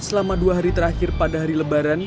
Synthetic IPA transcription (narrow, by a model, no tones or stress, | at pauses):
səlamaduaɦaɾit̪əɾaxɪrpadaɦaɾiləbaɾan